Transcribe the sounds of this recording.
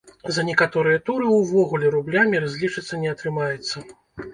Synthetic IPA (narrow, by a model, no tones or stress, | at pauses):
zɐnʲɛkat̪ɔɾɨjɐt̪uɾɨwvɔɣulʲɛɾublʲamʲiɾazʲlʲit͡ʂɨt̪sːɐnʲɛɐt̪ɾɨmajɛt̪sːɐ